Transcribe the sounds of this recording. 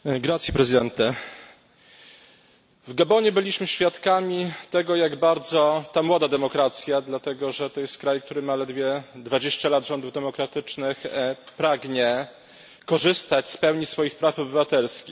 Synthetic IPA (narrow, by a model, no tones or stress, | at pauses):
ɡɾat̪sʲjɛpɾɛzɨd̪ɛnt̪ɛ | vɡabɔɲɛbɘlʲiɕmɘɕfʲjat̪kamʲit̪ɛɡɔjaɡbaɾd̪zɔt̪amwɔd̪ad̪ɛmɔkɾat̪sʲjad̪lat̪ɛɡɔʐɛt̪ɔjɛst̪̚kɾajk̚t̪uɾɘmalɛd̪vʲjɛd̪vad͡ʑeɕt͡ɕalad̪ʐɔnd̪uvd̪ɛmɔkɾat̪ɘt͡ʂnɘxpɾaɡɲɛ | kɔʐɘst̪at͡ɕspɛwɲisfɔjixpɾafɔbɘvat̪ɛlskʲix